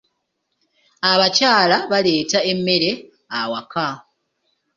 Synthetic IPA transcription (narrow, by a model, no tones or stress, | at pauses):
aβacaːlaβale̞ːtaemːe̞ɾe̞ | awaka